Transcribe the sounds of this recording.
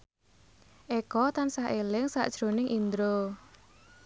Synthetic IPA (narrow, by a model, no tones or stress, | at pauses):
ʔekɔt̪ansahʔelɪŋsa̰ʔd̥ʒ̥ɾonɪŋʔind̪ɾo